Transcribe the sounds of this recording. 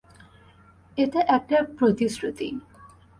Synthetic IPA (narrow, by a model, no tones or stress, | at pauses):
eteʔɛk̚ʈapɾot̪isɾut̪ḭ